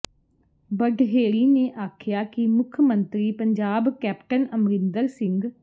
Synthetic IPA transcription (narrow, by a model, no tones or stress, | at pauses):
bəɖɦeːɭiːneːʔaːkʰjaːkimʊkʰmə̃nt̪ɾiːpəɲd͡ʒaːbkɛːpʈənəmɾɪnd̪əɾsɪ̃ŋɡ